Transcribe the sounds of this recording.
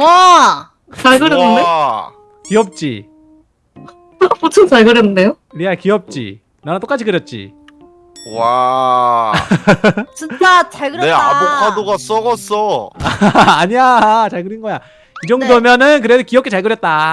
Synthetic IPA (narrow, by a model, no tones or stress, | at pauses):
a | t͡ɕaɭɡɯjʌnːɯnde | kiʌp̚t͡ɕ͈ḭ | putʰoŋt͡ɕaɭɡɯɾjʌnɯnde̞jo | ɾakiʌp̚t͡ɕ͈ḭ | nanat͈ok͈at͡ɕʰikɯɾjʌt̚t͡ɕ͈ḭ | wa | t͡ɕint͡ɕ͈at͡ɕaɭɡɯɾjnea̰bokʰadoɡas͈ʌɡʌs͈ʌaːɲiat͡ɕaɭɡɯɾinɡʌja | id͡ʑʌŋdomjʌnɯnk̬ɯɾesʰokiʌpkʰet͡ɕaɭɡɯɾjʌt̚t͈a